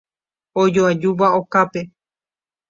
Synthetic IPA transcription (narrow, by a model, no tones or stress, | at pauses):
od͡ʒoad͡ʒuʋaokape